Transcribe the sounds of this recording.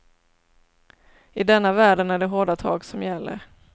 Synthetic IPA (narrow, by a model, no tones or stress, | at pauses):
ɪd̪ɛnːavæːɖənæɖɛɦoːɖat̪ʰɑ̰ːɡsɔmjɛlːə̰ɾ